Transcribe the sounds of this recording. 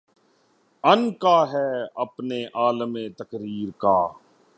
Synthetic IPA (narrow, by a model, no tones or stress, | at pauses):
ənkaːɦɛːəpneːʔaːləmeːt̪əkɾiːɾkaː